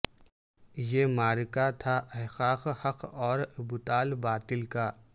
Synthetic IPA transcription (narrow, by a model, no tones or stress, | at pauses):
jeːmaːɾɪkat̪ʰaʔɐɦxaːqhɐqɔːɾbʊt̪aːlbaːt̪ɪlkaː